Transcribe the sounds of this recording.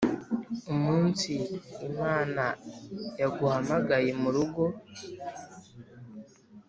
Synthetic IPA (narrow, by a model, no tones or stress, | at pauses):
omuːnsiːmaːnajaɡuhamaɡajemuɾuɡo̞